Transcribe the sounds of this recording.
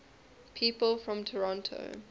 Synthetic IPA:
pʰiːˑpəlˠfɹɔ̃mtʰəɹɔ̃ntʰo̰ʊ

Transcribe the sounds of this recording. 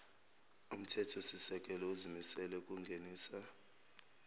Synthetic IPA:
um̩tʰɛtʰɔsisɛkʼɛlɔuzimisɛlɛkʼuŋɡʱeniːsa

